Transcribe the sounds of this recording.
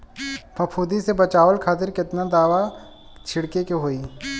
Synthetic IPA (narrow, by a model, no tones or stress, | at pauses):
pʰɐpʰuːd̪isebɐt͡ʃaːʋəlkʰaːt̪ɪɾkɪt̪nad̪aːʋa | t͡ʃʰɪɽkekeɦoːiː